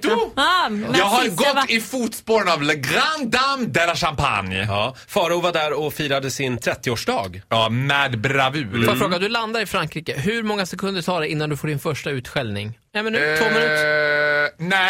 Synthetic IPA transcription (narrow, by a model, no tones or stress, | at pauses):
jɑːɡɦaɾɡɔt̪ːɪfuːt̪spoːɾənavlɛɡɾand̪amd̪ɛɾaʂampʰa̰nj | fɑːɾəʊvaɖæɾɔfiːɾad̪əsɪnt̪ʰɾɛt̪ːɪoːʂɖɑ̰ːɡmɛd̪bɾavʉ̟ːɾfafɾoːɡad̪ɵland̪aɾɪfɾaŋkɾiːkəɦɵɾmɔŋːasɛkʰɵnd̪əʈʰɑːɖ̪ɛɪnːand̪ɵfoːɖɪnfœʂʈaʉ̟ːt̪ɧɛlnɪ̰ŋ | ɛmɛnːoːm | nɛ